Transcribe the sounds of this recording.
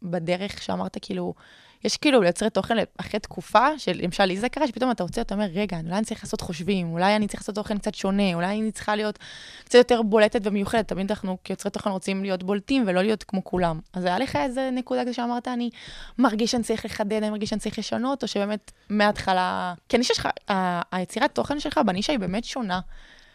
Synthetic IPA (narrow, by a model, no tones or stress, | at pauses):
badeʁeχʃeamaʁtakiːlu | jeʃkiːluljot͡sʁeto̞χenleaχʁet̪kʰufaʃelemaʃalizekaʁaʃepito̞mataʁot͡seat̪ao̞me̞ʁːeɡaːniulajanit͡saʁiχlaːso̞tχo̞ʃvimulajanit͡saʁilasot̪ːo̞χenkt͡sat̪ʃo̞ne̞ulajnit͡sχalijo̞tkt͡satjote̞ʁbo̞letetvemejuχedetabeentanaχnukjot͡sʁet̪ːo̞χenʁot͡simlijo̞tbo̞ltimvelo̞lijo̞tkmo̞kulamazajale̞χae̞zenekud̪akzeʃeamaʁtaːnimaʁɡiʃanit͡saʁiχleχadedanimaʁɡiʃanitt͡saʁiχleʃano̞to̞ʃebe̞ːme̞tmeatχalakianiʃaʃχa̰aːjet͡siʁato̞χenʃelχabaniʃaibe̞ːmetʃo̞na